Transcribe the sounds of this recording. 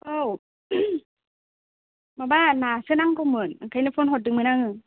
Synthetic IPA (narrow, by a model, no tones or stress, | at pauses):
ʔow | mabaːnasɯnaŋkɔmɯnakʰajnafʰonɦot̚dɯŋmɯnaŋɯ